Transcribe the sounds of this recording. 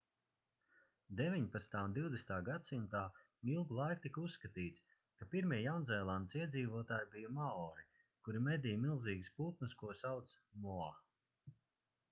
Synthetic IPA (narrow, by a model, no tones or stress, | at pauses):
d̪evʲiɲpat̪st̪aːnd̪iwd̪est̪aːɡat̪simt̪aː | ilˠɡulˠajkut̪ikusːkat̪iːt̪s | kapiɾmiɛjawnzɛjlˠand̪siɛd̪ziːvuɔt̪aːjbijumaɔːɾi | kuɾimɛd̪ijmilˠziːɡspuːt̪̚nɨskuɔsawt̪s | mua